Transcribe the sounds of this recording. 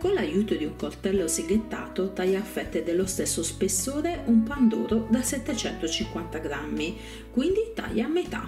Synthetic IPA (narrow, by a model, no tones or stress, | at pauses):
konlajuːt̪od̪iuŋkort̪ɛlːosiɡet̪ːa̰ːt̪ot̪ajaːfːɛt̪ːed̪elːost̪ɛsːospesːoːɾeumpand̪ṵːɾod̪asɛt̪ːet͡ʃɛnt̪ot͡ʃiŋkwant̪aɡɾamːi | kwind̪it̪a̰ʎːamːet̪a̰